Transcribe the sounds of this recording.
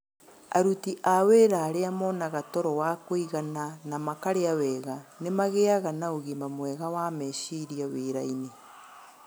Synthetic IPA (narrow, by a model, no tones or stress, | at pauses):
a̰ɾutiʔaweɾaːɾeamɔnaɣatɔɾɔwakoiɣananamakaɾeawɛːɣanemaɣeaɣanaoɣimbamwɛɣawamɛʃiɾiaweːɾaine